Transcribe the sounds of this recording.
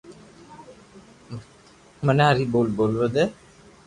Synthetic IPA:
mənaɾiboːlbolʋəd̪e

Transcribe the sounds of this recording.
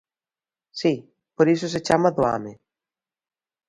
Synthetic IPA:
si | poɾis̬oset͡ʃamaðoa̰me

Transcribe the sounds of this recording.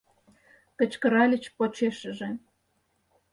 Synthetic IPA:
kə̆t͡ɕkə̆ɾɑlʲə̆t͡ɕpot͡ɕeʃə̆ʒĕ

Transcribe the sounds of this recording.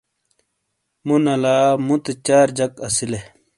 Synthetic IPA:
munɐlaːmũt̪et͡ɕaːɾd͡ʑɐkɐsile

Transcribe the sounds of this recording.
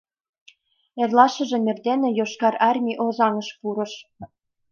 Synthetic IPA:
ĕrlɑʃɤ̆ʒĕmʲĕrd̪enĕjoʃkɑɾɑrmʲiʔozɑŋɤ̆ʃpuɾɤ̆ʃ

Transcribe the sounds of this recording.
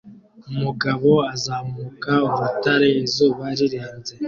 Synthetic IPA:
umuɡaβo̞azaːmukauβutaɾezoβaɾiɾeːnze̞

